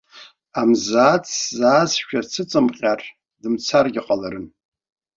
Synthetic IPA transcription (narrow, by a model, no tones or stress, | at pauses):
amzat͡sʰzaːzʃᶣat͡sʰɨt͡sʼɨmχʲar | dɨmt͡sʰarɡʲɪqʼalaɾɨn